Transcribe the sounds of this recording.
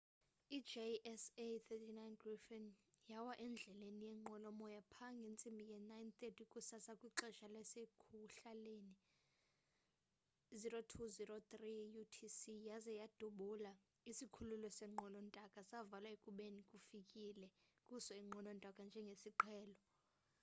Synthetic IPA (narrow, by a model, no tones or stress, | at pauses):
id͡ʒeʔɛset̪ʰɛtʰinajnɡrifɛnjawaʔɛnd͡ɮʱɛlenijɛŋ͡ǃɔlɔmɔjapʰaŋɡʱent͡sʼimbʱijɛnajnt̪ʼetʰʼikʼusasakʼwiǃɛʃalɛsekʰuɬaleni | zirotʰuzirot̪rijutʰisijazɛjad̥ʱuɓula | isikʰululɔsɛŋ͡ǃɔnɔntʼakʼasavalaekʼuɓenikʼufikʼilɛkʼusɔiŋ͡ǃʱɔnɔntʼakʼand͡ʒʱɛŋɡʱesiǃʰɛːlɔ